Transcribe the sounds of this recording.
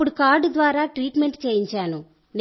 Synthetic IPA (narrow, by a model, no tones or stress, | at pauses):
uɽukaːɾɖd̪ʋaːɾaːʈɾiːʈme̞ɳʈt͡ʃeːjiɲt͡ʃaːnu | n